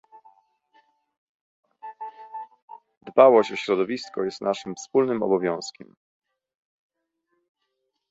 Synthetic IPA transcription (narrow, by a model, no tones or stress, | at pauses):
d̪bawɔɕt͡ɕɔɕɾɔd̪ɔvʲiskɔjɛst̪naʂɘmfspulnɘmɔ̰bɔvʲjɔ̃w̃skʲɛm